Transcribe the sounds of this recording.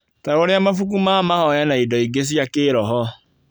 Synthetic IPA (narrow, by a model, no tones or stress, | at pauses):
taoɾeamafukumaːmahɔjanaidɔiɡes̬jakeːɾɔɦɔ